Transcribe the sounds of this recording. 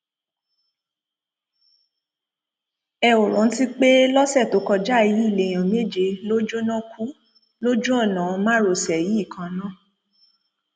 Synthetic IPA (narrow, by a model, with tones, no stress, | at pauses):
ɛ˧o˨ɾɔ̃˨˦n̩˦ti˦k͡pe˦lɔ˦sɛ˦˨to˨˦kɔ˧d͡ʒa˦˨ji˨˦i˦˨le˨j̃ã˨me˦˨d͡ʒe˧˦lo˦d͡ʒo˦nã˦ku˦ | lo˦d͡ʒũ˦ɔ˦˨nã˨˦˧mãã˦ɾo˨sɛ˨ji˨˦˨kʰã˧˨˦nã˦˨